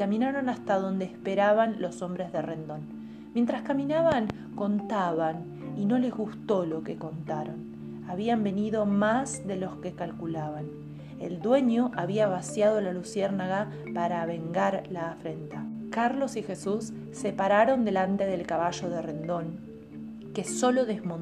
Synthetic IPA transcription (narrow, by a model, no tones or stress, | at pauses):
kamĩnaɾo̞nast̪aðo̞nd̪eːspe̞ɾaβanlo̞so̞mbɾe̞zðere̞nd̪o̞n | mjent̪ɾaskaminaβaŋ | ko̞nt̪aβan | ino̞le̞zɣust̪o̞lo̞ke̞ko̞nt̪aɾon | aβiambe̞niðo̞mazðe̞lo̞ske̞kalkulaβan | ḛld̪we̞ɲo̞ʔaβiaβasjað̞o̞lalusjeɾnaɣa | paɾaβe̞ŋɡaɾlaːfɾe̞nt̪akaɾlo̞sixe̞susː | e̞paɾaɾo̞nd̪e̞lant̪e̞ðe̞lkaβaʒo̞ð̞ere̞nd̪o̞ŋ | ke̞so̞lo̞ðezmon